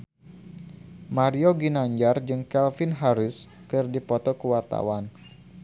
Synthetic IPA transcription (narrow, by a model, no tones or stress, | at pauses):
maɾioɡinaɲd͡ʒard͡ʒɨŋkɛlfinɦaɾʊskɨrdipɔt̪ɔkəwart̪a̰wan